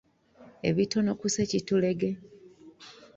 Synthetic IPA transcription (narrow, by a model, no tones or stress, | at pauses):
e̞̰βitonokusecitule̞ɡe